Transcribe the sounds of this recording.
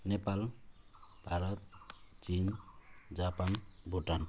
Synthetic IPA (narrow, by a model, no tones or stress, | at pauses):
nepal | b̥ʱaɾɔt̪̚t͡ʃind͡ʒapanbʱuʈan